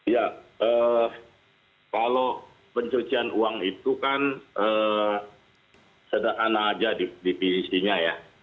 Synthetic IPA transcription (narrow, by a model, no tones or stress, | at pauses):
jaə | kalo | pəɲt͡ʃot͡ʃianuaŋit̪ukanə | sədakanaːd͡ʒadidipinsiɲaja